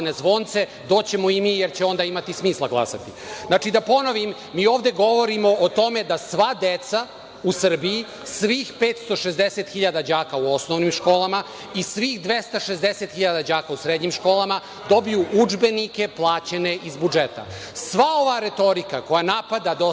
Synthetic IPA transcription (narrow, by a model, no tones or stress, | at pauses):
nezʋo̞nt̪se̞ | d̪o̞ːt͡ɕe̞moimiːjeɾt͡ɕeo̞nd̪aimat̪ismiːslˠaɡlˠa̰sa̰t̪i | nat͡ʃid̪apo̞no̞ʋimːiːo̞ːvd̪e̞ɡo̞ʋo̞ɾimo̞ʔːt̪o̞me̞d̪asʋad̪et̪sa | usr̩biji | sʋiːxpeːt̪st̪o̞ʃezd̪eset̪xiʎad̪ad͡ʑaːkauo̞sno̞ʋnimʃko̞ːlˠama | isʋiːxd̪ʋest̪aʃezd̪eset̪xiʎad̪ad͡ʑaːkausɾed̪ɲimʃko̞ːlˠama | d̪o̞bijuʔud͡ʒbe̞nike̞plˠaːt͡ɕene̞ʔizbud͡ʒet̪a̰ | sʋao̞ʋaɾe̞t̪o̞ɾikako̞janapad̪ad̪o